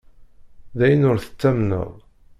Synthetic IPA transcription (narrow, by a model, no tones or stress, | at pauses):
ðæjənʊɾθə̥t͡sːæmnə̰ðˤ